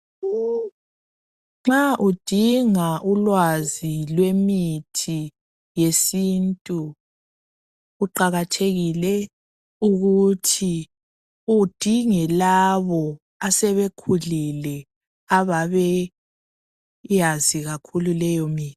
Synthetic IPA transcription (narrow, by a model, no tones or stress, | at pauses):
ŋ͡ǁaʔud̥ʱiŋaʔulwazilwemitʰi | jesintʼu | ǃaɣatʰeɣilɛ | uɣutʰi | ud̥ʱiŋɛlaβɔ | asɛβekʰulilɛ | aβaβɛ | jaziɣakʰululɛjɔmiːt